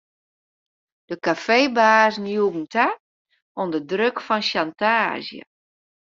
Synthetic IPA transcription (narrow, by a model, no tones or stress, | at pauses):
d̥əkafeːbaːznjubn̩tʰa | ondədrøkfɔnʃantaːzjə̰